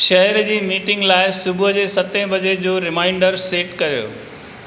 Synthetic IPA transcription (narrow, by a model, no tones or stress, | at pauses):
ʃɐɦɛɾd͡ʑiːmiːʈɪ̃ŋɡlaːɪsʊbʱʊɦd͡ʑeːsɐt̪ẽbɐd͡ʑed͡ʑoːɾɪmaːɪ̃ɳɖəɾseːʈkɐɾijo̰ː